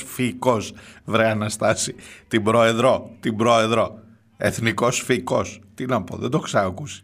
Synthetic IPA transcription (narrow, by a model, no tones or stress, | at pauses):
fiko̞svɾeɐnɐst̪ɐsit̪imbɾo̞e̞ðɾo̞t̪imbɾo̞e̞ðɾo̞ | eθniko̞sfiko̞st̪inɐpo̞̰ðend̪o̞ksɐkusi̥